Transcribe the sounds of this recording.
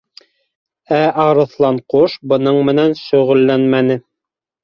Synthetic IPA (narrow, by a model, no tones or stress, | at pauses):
æʔɑɾɤ̆θlˠɑɴquʃbɤ̆nɤɴmɘ̆nænʃɵ̆ʁɘ̆lːænmænɘ